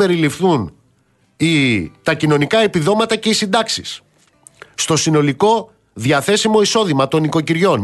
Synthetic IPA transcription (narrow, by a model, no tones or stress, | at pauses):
e̞ɾilifθun | it̪ɐcino̞nikɐe̞piðo̞mɐt̪ɐce̞isind̪ɐksisː | t̪o̞sino̞liko̞ | ðʝɐθe̞simo̞iso̞ðimɐt̪o̞niko̞ciɾʝo̞n